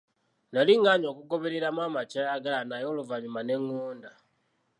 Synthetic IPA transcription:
naliŋɡaɲo̞ːkuko̞βeɾeɾamwaːmat͡ʃajaɡalanajo̞luvaɲumane̞ŋːoːnda

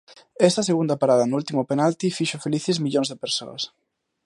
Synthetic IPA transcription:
ɛst̪ɐseɣund̪ɐpaɾaðɐnʊult̪imʊpenalt̪ifiʃʊfeliθɪzmiʎoŋzðepeɾso̰ɐ̰s

